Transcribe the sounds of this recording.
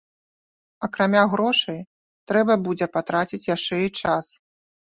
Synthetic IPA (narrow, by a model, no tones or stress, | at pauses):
ɐkɾamʲaɣɾɔʂɐj | t̪ɾɛbɐbud͡zʲɛpat̪ɾat͡sʲit͡sʲjaʂt͡ʂɛit͡ʂas